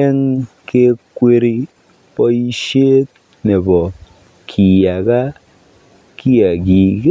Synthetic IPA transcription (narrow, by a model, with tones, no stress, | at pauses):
e˦ŋke˦kʷe˦ɾi˦ | pɔ˦i˦ʃeː˦t̚ | ne˨bɔ˨ | kʰi˨ja˨ɡa˦ | ki˦ja˨ɡi˨k